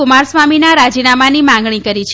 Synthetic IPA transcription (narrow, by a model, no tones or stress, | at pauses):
ʊmaɾsʋaminaɾad͡ʒinamanimãŋɡɳ̃ikəɾit͡ʃʰ